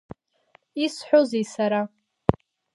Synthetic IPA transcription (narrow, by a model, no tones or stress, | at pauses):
isħᶣʷozejsaɾa